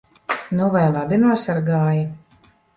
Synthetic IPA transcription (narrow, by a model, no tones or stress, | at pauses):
nuvajlˠabʲinuɔsaɾɡaːji